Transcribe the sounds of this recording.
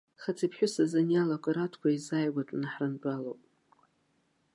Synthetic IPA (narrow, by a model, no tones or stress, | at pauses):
χat͡sʰipʰħʷᶣʊsazanjalakʷʼaɾatʰkʷʰaizaːjɡʷatʼnaħranʈ͡ʂʷʼalowpʼ